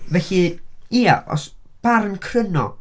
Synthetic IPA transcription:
vɛɬiia̰ʔɔ̰s | b̥aɾənkʰrənɔ̰

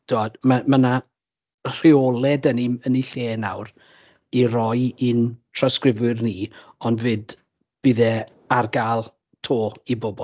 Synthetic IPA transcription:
d̥ɔd̥maməna | r̥ɪɔlˠɛdəniməniɬeːna̰wr | iɾɔjintʰrɔskrɪvʊrniː | ɔndvɨːd | b̥ɪðɛ | arɡaːlˠ | tʰoːibɔbɔl

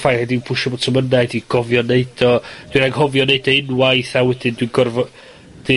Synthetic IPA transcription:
fajhɛdibʰʊʃɛbo̥tʰəmənajdiɡ̥ɔvjɔneɨd̥ɔd̥winaŋhɔvjɔneɨdɔɪnwajθawɛdɪndwiɡɔrvɔ | d̥i

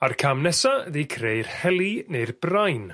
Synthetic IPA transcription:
arkʰamnɛsaðikʰrejrhɛlˠinejrbrajn

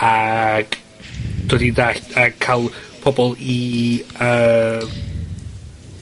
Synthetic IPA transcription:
aɡ̥ | d̥wɛdidaɬakʰalˠpʰɔbɔlˠi | ə

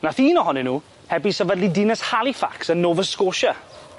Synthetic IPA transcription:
naθiːnɔhɔnɛnuː | hɛbisəvədlidinəshalˠifa̰ksənːoːvəskoːʃa

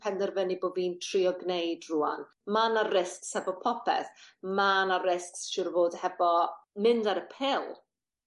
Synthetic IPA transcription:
pʰɛndɛrvɛniboːdviːntʰriɔɡnejdruːa̰n | manarɪskshɛvɔpʰɔpʰɛ̰θmanaɾɪsksʃʊrvoːdhɛvɔmɪndaɾəpʰɛlˠ

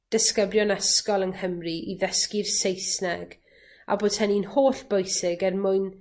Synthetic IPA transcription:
d̥əskəbljɔnɛskɔlˠənhəmriʔiðəskɪrsejsnɛɡ̥ | a̰boːdhɛninhoːɬb̥ojsɪɡɛrmʊɨn

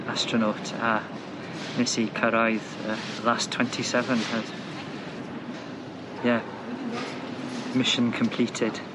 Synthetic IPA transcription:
astɹ̥ənotʰa | nɛsikʰəɾajðə | lˠastʰw̥ɛ̃ntʰisɛvə̃nhəd̥ | jɛ | mɪʃə̃nkʰə̃mpʰl̥iːtʰɪd̥

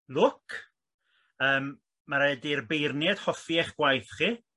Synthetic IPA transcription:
lʊkʰ | əːmː | aɾɛdirbejrnjɛd̥hɔfiɛχɡ̥wajθχi

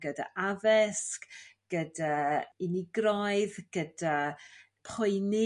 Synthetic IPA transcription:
ɡ̥əda̰ʔavɛskɡ̥ədaɪniɡrɔjɨðɡ̥əda | pʰʊjne

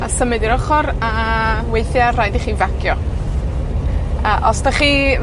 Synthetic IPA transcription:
asəmɨdiɾɔχɔɾawejθjarajdiχiːvakʰjɔ | əʔɔstaχiː

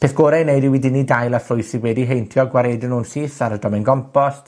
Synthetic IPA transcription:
pʰeːθɡ̥oːɾajneɨdɪwidɪnidajlˠaflʊjsɪwɛdiɦejntʰjɔɡwaɾeːdənuːnsiːθaɾədɔmɛnɡɔmpʰɔst

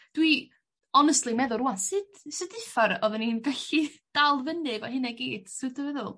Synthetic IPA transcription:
d̥wi | ɔnɛstlimɛðʊɾuansɨd̥sɨdɨfaɾɔðəninɡɛɬid̥alˠvəndɪɡɔhɨnaɡiːd̥sɨdəvɛðʊlˠ

